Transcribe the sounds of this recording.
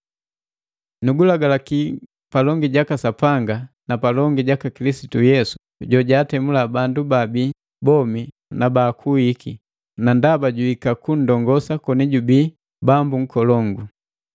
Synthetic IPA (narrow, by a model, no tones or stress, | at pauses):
nuɡulaɡalaki | palɔŋɡiɟakasapaŋɡa | napalɔŋɡiɟakakilisi̥tujɛsu̥ | ɟɔɟaːtɛmulabandubabi | bɔmi | nabakʰuhikʰi | nandabaɟuikakun̩dɔŋɡɔsakɔniɟubi | bambuŋ̩kɔlɔŋɡu